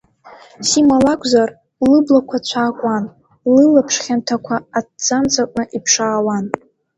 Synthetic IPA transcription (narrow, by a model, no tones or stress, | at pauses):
simalakʷʰʼzar | lɨblakʷʰat͡ɕʷʰaːkʷʼan | lɨlapʰʂχʲantʰakʷʰaːt̚d͡zant͡sʰʼakʷʼnɨʔipʰʂaːwan